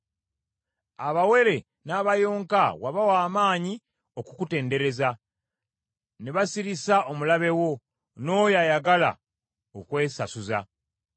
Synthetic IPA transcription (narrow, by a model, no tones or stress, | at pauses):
aβawe̞ɾe̞ | naβajo̞ːŋkawaβawaːmaːɲi | okukute̞ːnde̞ɾe̞za | neβasiɾisaʔomulaβe̞wo̞ | no̞ːjajaɡala̰ | okwe̞ːsasuza̰